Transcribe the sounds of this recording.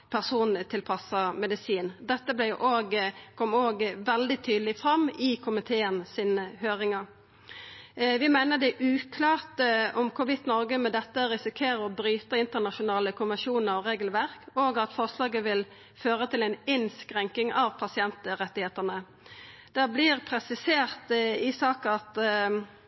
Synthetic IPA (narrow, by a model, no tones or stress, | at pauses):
pʰæʁsuːnt̪ʰɪlpʰɑsɑmɛd̪ɪsiːnd̪ɛt̪ːəblɛjʊʔoːɡkʰɔmːoːɡʋɛld̪ɪt̪ʰyːd̪l̩ɪfɾɑmːɪkʰʊmɪt̪ʰeːənsiːnəhøːɾɪŋɑ | ʋɪmæɪnəd̪ɛʔʉːkʰlɑːʁt̪əɔmkʰʊʋɪt̪nɔɾɡəmɛd̪ɛt̪ːəɾɪsɪkʰeːɾəɔbɾyːt̪əɪnt̪ənɑʃʊnɑːləkʰʊməʂuːnəɾɔʁeːɡəlʋæʁkoːɡɑt̪fɔʁslɑːɡəʋɪl | føːʁət̪ʰɪlɛɪnɪnskʁɛŋkɪŋɑʋpʰɑsɪɛnt̪ʁɛt̪ːɪheːt̪ənə | d̪̥ɛblɪʁpʰɾɛsɪseːʁt̪ɪsɑːkɑt̪